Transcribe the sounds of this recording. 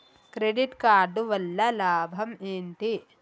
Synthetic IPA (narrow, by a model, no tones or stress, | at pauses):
kɾeɖiʈkaːɾɖuʋɐlːɐlaːbʱɐmeːɳʈ̪i